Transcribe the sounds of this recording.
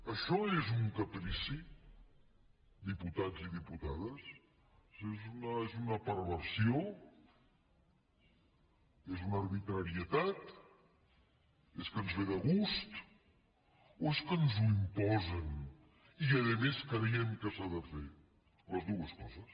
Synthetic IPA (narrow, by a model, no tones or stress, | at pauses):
əʃɔezuŋkəpɾisi | d̪iput̪aziðiput̪aðəs | zezunəezunəpəɾβəɾsio | ezunəɾβit̪ɾəɾiət̪at̪ | eskənzβeðəɣust̪ | oeskənzuimpɔzən | iəðəmeskɾejɛmkəsaðəfe | ləzðuəskɔzəs